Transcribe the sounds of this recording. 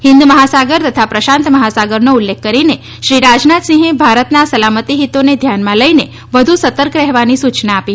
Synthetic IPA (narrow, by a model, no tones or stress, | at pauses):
hɪnd̪məɦasaɡəɾt̪ət̪ʰapɾəʃãnt̪məɦasaɡəɾnoulːekʰːəɾine | ʃɾiɾad͡ʒnat̪sĩɦẽbʱaɾət̪nasəlamət̪iɦit̪oned̪ʱjanmãləine | ʋəd̪ʱusət̪əɾkɾɛɦʋanisut͡ʃnaːpi